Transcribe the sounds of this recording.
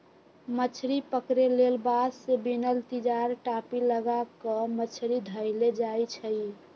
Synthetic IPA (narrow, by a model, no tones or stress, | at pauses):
mət͡ʃʰɾipəkɾelelbadsebinəlt̪id͡ʒaɾʈapiləɡakəmət͡ʃʰɾid̪ʱəɪled͡ʒajt͡ʃʰəj